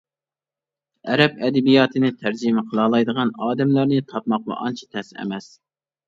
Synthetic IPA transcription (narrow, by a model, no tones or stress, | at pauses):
ɛɾɛpɛd̪ɛbijɑːt̪ʰɨnɪt̪ʰæɾd͡ʒɪmɛqʰəlˠɑːlˠɑjd̪əʁɑnɑːd̪ɛmlæɾnɨt̪ʰɑpmɑqmɑ̰ʔɑnt͡ʃʰi̥t̪ʰɛsɛ̰mɛs